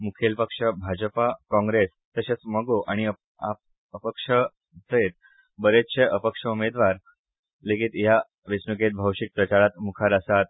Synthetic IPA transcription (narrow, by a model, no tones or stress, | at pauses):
mukʰelpəkʂəbʱad͡ʑəpakɔ̃ŋɡɾes | t̪əɕet͡sməɡoʔaɽ̃i | ap | əpəkʂə | d͡zəet̪̚ | bəɾet̪t͡ɕeʔəpəkʂəumed̪ʋaɾ | lekiːt̪ja | ʋisnuket̪̚bʱəwʂik̚pɾət͡ɕaɾat̪mukʰaɾəsat̪̚